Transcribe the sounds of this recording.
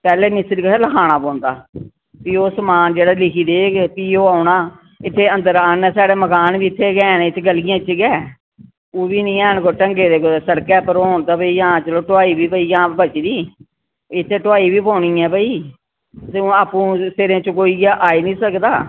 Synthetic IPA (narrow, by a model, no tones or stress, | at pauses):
pɛːleːmɪsɾiːkəeːləkʰaːñaːpɔ̃ːnd̪a̰ː | piːoːsəmaːnd͡ʒeːɽaːlɪkʰiːd̪eːɡepiːoːaːnaː | ɪt̪ʰːeːə̃nd̪əɾaːnɛːsaːɽeːməkaːnbiːɪt̪ʰːeːɡɛːnɪt̪ʰːeɡəlijãːt͡ʃɡɛː | oːbiːnĩːɛːnkoːʈəŋɡeːd̪eːkosəɽkɛːpəɾːoːɳt̪aːbəiːãːt͡ʃəloːʈʊaːiːbiːbəiːãːbət͡ʃd̪iː | ɪt̪ʰːeːʈʊaːiːbiːpõːɳĩːɛːbəiː | sũaːpũːseɾẽːt͡ʃəkoːiːɡaʔaːiːnĩːsəkd̪aː